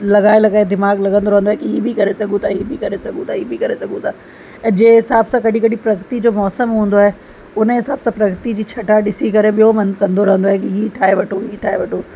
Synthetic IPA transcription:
lɐɠaːelɐɡaːed̪ɪmaːɡlɐɠə̃nd̪oɾɐɦə̃nd̪oaɦekiɦiːbʱikɐɾesɐɡũt̪ʰaɦiːbʱikɐɾesɐɡũt̪ʰaɦiːbʱikɐɾesɐɡũt̪ʰaː | ɛ̃ːd͡ʑeːɦɪsaːbsãkɐɗikɐɗipɾɐkɾt̪id͡ʑoːmɔːsəmɦũːnd̪oaːɦe | ʊnɦɪsaːbsãpɾɐkɾt̪id͡ʑiːt͡ɕʰɐʈaɗɪsikɐɾẽɓijomɐ̃nkɐ̃nd̪oɾɐɦə̃nd̪oaːɦekiɦiːʈʰaːeʋɐʈʰoɦiːʈʰaːeʋɐʈʰo

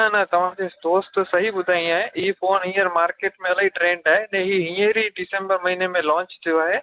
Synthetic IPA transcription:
nɐt̪ɐʋ̤ãkʰed̪oːst̪sɐɦibʊd̪ʱaːĩaːɦeʔifoːnĩːəɾmaːɾkeːʈmẽɐlaːɦiʈɾẽːɳɖaːɦenẽɦiɦĩːəɾiɖɪsẽmbəɾmɐɦiːnemẽlɔ̃ːɲt͡ʃt̪ʰijoaːɦeː

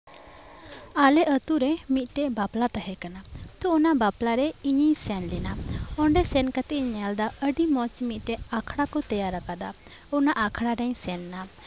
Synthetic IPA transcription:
alɛʔət̪uɾɛmit̪̚ˀʈɛʔbaplat̪aɦɛkanat̪ɔɔnaʔbaplaɾɛiɲisɛnlɛnaɔɳɖɛsɛnkat̪ɛʔɲɛald̪aəɖimɔt͡ʃmit̪̚ˀʈɛʔakʰɽakɔt̪ɛjaɾːakad̪a | ɔnaʔakʰɽaɾɛɲsɛnːa

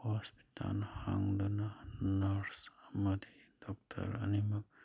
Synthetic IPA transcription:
hɔspi̥t̪a̰nhaŋdɔnanaɾsamad̪ʱid̪̥ɔk̚tʰa̰ɾɐ̰nimɐ

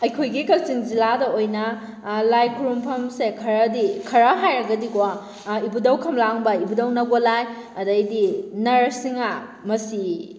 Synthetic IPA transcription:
ɐjkʰojɡikɐlsiŋziladɐojnɐ | lajkʰuɾumpʰɐmsekʰɐɾɐdikʰɐɾɐɦajɾɐɡɐdikw | ibudɐwkʰɐmlaŋbɐibudɐwnɐɡolajɐdɐjdinɐɾɐsiŋa | mɐsi

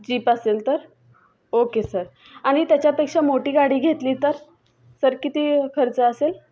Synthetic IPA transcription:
d͡ʑiːpaselt̪əɾ | okesəɾ | aɽ̃it̪jat͡ɕjapekʂamoʈiːɡaɽiːɡʱet̪liːt̪əɾ | səɾkit̪iːkʰəɾt͡səəsel

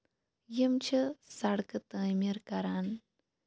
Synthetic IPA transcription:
jimt͡ʃʰɐsɐɽkɨt̪əːmiɾkɐɾaːn

